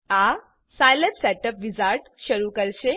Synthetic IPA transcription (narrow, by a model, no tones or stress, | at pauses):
a | sajləpsɛʈəpʋid͡zaɾʈɕəɾukəɾɕe